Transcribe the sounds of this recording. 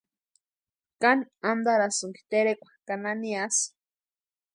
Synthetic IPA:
kanand̪aɾasuŋki̥t̪eɾekʷḁkananias

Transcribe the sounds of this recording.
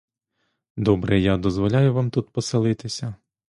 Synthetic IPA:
d̪ɔbɾɛjad̪ɔzʋɔlʲajʊʋamt̪ut̪pɔselˠɪt̪ɪsʲɐ

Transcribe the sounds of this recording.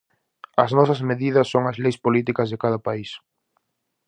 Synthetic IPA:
ɐznɔsɐzmeðiðɐsːoŋɐzlejspolit̪̬ikɐzðɪkaðɐpais

